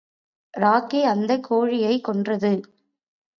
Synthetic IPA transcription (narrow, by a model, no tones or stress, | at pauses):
ɾaːkeɐnd̪ɐkʰːoːɻɪjɐɪkːɔndrɐðɯ